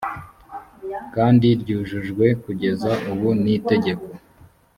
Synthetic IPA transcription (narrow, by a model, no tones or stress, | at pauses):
kaːndiɾɟuːʒuʒɡwe̞kuɟe̞zaʔuβunite̞ɟe̞ko̞